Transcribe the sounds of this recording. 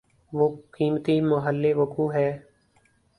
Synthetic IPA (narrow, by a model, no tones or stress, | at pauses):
ʋoːkiːmt̪iːməɦəlːeːʋəkuːɦɛː